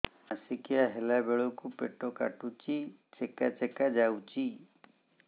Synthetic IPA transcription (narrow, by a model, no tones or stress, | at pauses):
asikijaɦelabeɭɔkupeʈɔka̰ʈut͡ʃi | t͡ʃekat͡ʃekad͡ʒawt͡ʃi